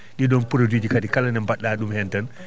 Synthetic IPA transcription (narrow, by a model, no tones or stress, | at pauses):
ɗiɗɔnpuɾodid͡ʒikatikalanɛmbaɗːaːɗumhɛntan